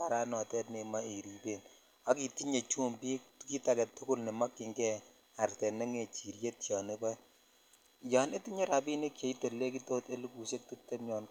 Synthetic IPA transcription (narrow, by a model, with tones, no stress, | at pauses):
pa˨ɾa˦nɔ˨tɛ˦tne˨ma˦e˨ɾi˨be˨n | a˦ki˨ti˦ɲe˨t͡ʃu˦mpi˦ki˦ta˨kɛ˨tːʊ˦kʊ˦lne˨ma˦kɪ˨ŋɡɛ˦ | a˨rtɛ˨ne˦ŋe˨t͡ʃi˨ɾje˦tja˨ne˦bɔ˦j | ja˨ne˦ti˦ɲe˦ɾa˨bi˦ne˦kje˨i˦to˨lːe˦k̬i˦to˦te˦lu˦ku˨se˦k̚tu˦te˦mɲɔ˨n